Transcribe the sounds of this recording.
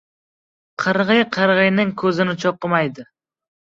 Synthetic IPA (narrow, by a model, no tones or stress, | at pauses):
qʰɨɾʁɨjqʰɨɾʁɨjnɪŋkʰɵzɪnɪt͡ʃʰɒqːɨmajd̪ɪ